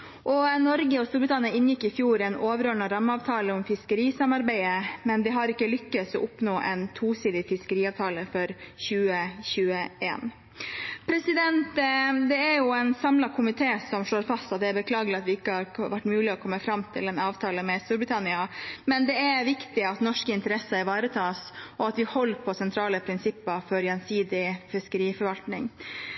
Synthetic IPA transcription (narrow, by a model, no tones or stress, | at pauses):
ʔɔnɔɾɡəɔst̪uːɾbɾɪt̪ʰɑnɪɑɪnjɪkːɪfjuːɾɛnoːʋəɾøːɳɑɾɑmːɑːʋt̪ʰɑːləɔmfɪskəɾiːsɑmɑɾbæɪəmɛnd̪ɛɦɑɾɪkːəlʏkːəsɔ̰ʔʊpnoːʔɛ̰nt̪ʰuːsiːd̪ɪfɪskəɾiːɑːʋt̪ʰɑːləfɔɾɕʉːəçʉːəḛːn | pʰɾɛsɪd̪ɛnt̪d̪ɛæɾjʊɛɪnsɑmlɑkʰʊmɪt̪ʰeːsɔmʂɭoːɾfɑst̪ɑt̪̚d̪ɛæɾbəkʰlɑːɡəlɑt̪ʋɪɪkːəhɑɾʋæʈːmʉːlɪɔkʰɔmːəfɾɑmt̪ʰɪlɛnɑːʋt̪ʰɑːləmɛst̪uːɾbɾɪt̪ʰɑnɪɑmɛnd̪ɛæɾʋɪkt̪ɪɑt̪nɔʂkəɪnt̪əɾɛsəæʋɑːɾət̪ʰɑːsɔɑt̪ʋɪhɔlːpʰɔsɛnt̪ʰɾɑːləpʰɾɪnsɪpːəfɔɾjɛnsiːd̪ɪfɪskəɾiːfɔɾʋɑlt̪nɪ̰ŋ